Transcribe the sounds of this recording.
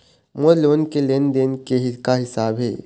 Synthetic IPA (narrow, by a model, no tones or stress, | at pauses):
moloːnkelend̪enkeɦɪkaɦɪsaːbɦḛː